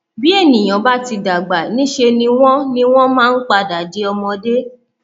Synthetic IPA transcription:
bi˦e˦˨nĩ˨j̃ã˨ba˦ti˧da˨ɡ͡ba˨nĩ˨˦ʃe˧nĩ˧˦w̃ɔ̃˦nĩ˦w̃ɔ̃˦mãː˦n̩˦k͡pa˧˨da˨de˨˦ɔ˧mɔ̃˧de˦

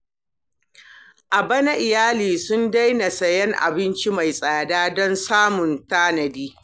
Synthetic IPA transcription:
ʔa˨bɐ˦na˦ʔɪ˨jaː˦liː˨sʊ˦nda˦jna˨sɐ˨jɛ˦ŋʔa̰˨bɪ˦nt͡ʃi˦ma˨jsʼaː˨daː˦dɔ˦nsaː˦mʊ˨ntaː˦nɐ˨biː˦

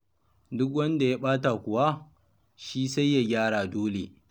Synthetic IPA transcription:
dʊ˦k̬wɐ˦nda˨ja˦ɓaː˦ta˨kʷʊ˨wa˦ | ʃiː˦sa˦jːa˨ɡʲaː˦ɽaː˨doː˦lḛ˨

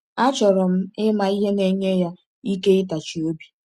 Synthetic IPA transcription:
a˦t͡ʃɔ˨ɾɔ˨m̩˦ɪ˦ma˨i˦ɦe˦ne˨ɲe˦ja˦ | i˦ke˦ɪ˦ta˨t͡ʃi˨o˦bi̥˨

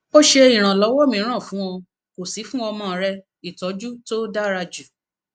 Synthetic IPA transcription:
bo˦ʃe˧i˨ɾ̃ã˨lɔ˨˦wɔ˦mĩ˧˦ɾ̃ã˦˨fũ˨˦ɔ̃˧ | ko˨si˨˦fũ˦ɔ˧mãː˦˨˦ɾɛ˦ | i˨tɔ˨˦d͡ʒu˦to˦da˦ɾa˧d͡ʒu˨

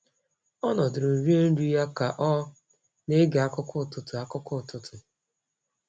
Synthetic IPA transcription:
ɔ˦nɔ˨dɪ˨ɾo˨ɾi˦e˦n̩˦ɾu˦ja˦ka˨ʔɔ˦ | ne˦ɡe˨a˦kʊ˦kʰʊ˦˨tʊ˨tʊ˨a˦kʊ˦kʊ˦˨tʊ˨tʰʊ˨

